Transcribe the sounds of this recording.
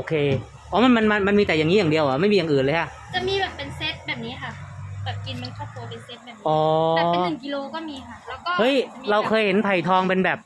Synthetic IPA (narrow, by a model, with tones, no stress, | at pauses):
ʔoː˧kʰeː˧ | ʔɔː˦˥ma˧nma˧nma˧nma˧nmiː˧t̪ɛ˨˩jaː˨˩ŋi˦˥jaː˨˩ŋdi˧əwʔa˨˩˦ma˥˩jmiː˧jaː˨˩ŋʔɯː˨˩nlɤː˧jkʰa˥˩ʔ | t͡ɕa˨˩miː˧bɛː˨˩pːe˧nse˦˥t̪̚bɛː˨˩p̚niː˦˥kʰa˥˩bɛː˨˩p̚ki˧nma˧nkʰɔː˥˩p̚t̪u˧ɐpe˧nse˦˥t̪̚bɛː˨˩p̚ːʔɔː˨˦˨nɯ˨˩ŋki˧loː˧kɔː˥˩miː˧kʰa˥˩lɛː˦˥˩kkɔː˥˩hɤ˦˥jɾa˧wkʰɤː˧jhe˩˦npʰa˨˩jt̪ʰɔː˧ŋpe˧nbɛː˨˩p̚